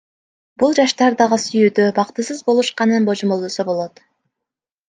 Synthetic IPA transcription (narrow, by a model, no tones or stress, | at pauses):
bulˠd͡ʒɑʃt̪ɑɾd̪ɑʁɯsyjyːd̪øbɑqt̪ɯsɯzbo̞lˠuʃqɑnɯnbo̞d͡ʒomo̞lˠd̪osobo̞lˠo̞t̪